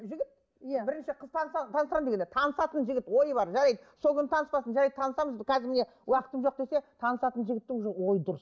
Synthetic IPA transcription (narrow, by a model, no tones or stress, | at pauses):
ʒɪɡʲɪt̪̚ | jbɪɾɪnʃɪqʰəzt̪ʰɑnsɑt̪ʰɑnsəɾɑmd̪eenet̪ʰɑnəsɑt̪ənʒɪɡʲɪt̪wo̞jəbɑɾʒɑɾɑjd̪əsolˠkʰʲɪnət̪ʰɑnəspɑsənʒɑɾɑjd̪ət̪ʰɑnəsɑməzkʲʰæzɪmɪne | wɑqə̥t̪əmʒo̞q̚d̪e̞se̞t̪ʰɑnəsɑt̪ənʒɪɡʲɪt̪ːɪŋʒowo̞jəd̪ʊɾəs